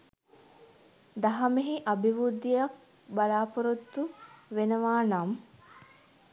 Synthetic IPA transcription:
d̪ɐɦɐmeɦiʔɐbiʋud̪ːijɐk̚ | bɐlaːpuɾut̪ːuʋenɐʋaːnɐm

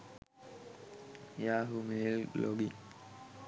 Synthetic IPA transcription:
jaːɦumelloɡi

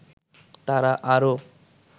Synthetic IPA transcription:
t̪aɾaʔaɾo

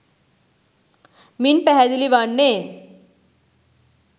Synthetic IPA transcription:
miːnpɛɦad̪iliʋaɳːe

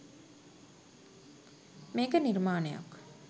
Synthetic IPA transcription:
meːkəniɾmaːneja̰k

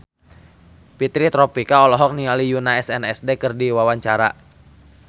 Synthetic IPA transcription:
pit̪ɾit̪ɾɔpikaɔlɔɦɔk̚nialijunaɛsɛnɛsdekərdiwawaɲt͡ʃaɾa

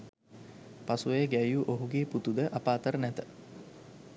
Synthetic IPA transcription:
pasuʋejəɡæjuʔoɦuɡeːput̪ud̪əʔapaːt̪əɾənæt̪ə

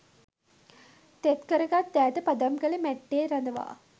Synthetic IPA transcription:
t̪et̪kəɾəɡat̪ːæːt̪əpɐd̪ɐmkəlemæʈːeːɾɐnd̪əʋa̰ː

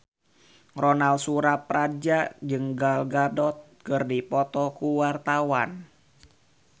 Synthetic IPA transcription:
rɔnalsuɾaprad͡ʒad͡ʒɨŋɡalɡadɔt̪̚kɨrdipɔt̪ɔkuwart̪awan

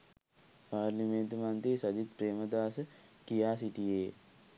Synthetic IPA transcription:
paːɾliment̪əmant̪eːsɐd̪it̪pɾeːməd̪aːsə | kijaːsiʈijeː

